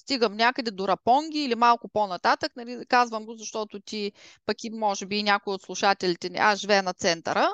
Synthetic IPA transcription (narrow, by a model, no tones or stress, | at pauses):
st̪iɡəmnʲakəd̪ɛd̪oɾɐpɔŋɡʲiːlimalˠkʊponɐt̪at̪əknɐlikazvəmɡozɐʃt̪ɔt̪ʊt̪ʲi | pɐkimɔʒɛbiːnʲjakʊiot̪slˠʊʃat̪ɛlit̪ɛnḭʔaʒivɛnɐt̪sɛnt̪ə̰ɾə